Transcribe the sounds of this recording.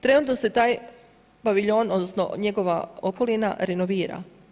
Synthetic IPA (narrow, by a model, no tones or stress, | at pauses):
t̪ɾe̞nuːt̪nose̞t̪aːj | baʋiʎo̞ːno̞d̪nosno̞̰ɲeɡo̞ʋa̰oko̞lina̰ɾenoʋiːɾa̰